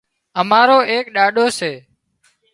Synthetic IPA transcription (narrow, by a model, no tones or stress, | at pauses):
əmaːɾoːʔeːk̚ɗaːɗoːseː